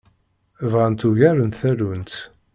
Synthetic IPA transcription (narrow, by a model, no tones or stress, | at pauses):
əvʁænt̪uʝæɾənt̪θælunt̪